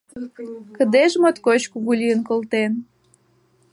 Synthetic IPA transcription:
kə̆d̪eʒmot̪kot͡ɕkuɣulʲijənkolt̪en

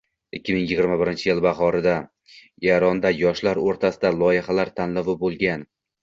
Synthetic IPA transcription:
ɪkʲʰːɪmɪŋjɪɡʲɪɾmabɪɾɪnt͡ʃʰɪjɪlbaχɒɾɪd̪a | jaɾɒnd̪ajɒʃlaɾoɾt̪ʰasɪd̪alˠɒjɪhalaɾt̪ʰanlavɪbolˠɡʲan

